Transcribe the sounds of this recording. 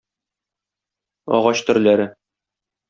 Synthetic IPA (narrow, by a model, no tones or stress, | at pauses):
ɒ̰ʁɑɕt̪ɵ̆ɾlæɾɘ